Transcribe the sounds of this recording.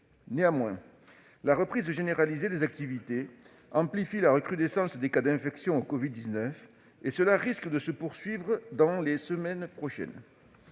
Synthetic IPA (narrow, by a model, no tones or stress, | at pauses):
neamwɛ̰̃ | laʁəpχizʒeneʁalized̪ezak̚t̪ivit̪e | ɑ̃plifilaʁəkχyd̪esɑ̃sd̪ekad̪ɛ̃fɛksjɔ̃okɔvid̪ːiznœf | esəlaʁiskəd̪əsəpuʁsɥivʁəd̪ɑ̃lesəmɛnpχɔʃɛ̰n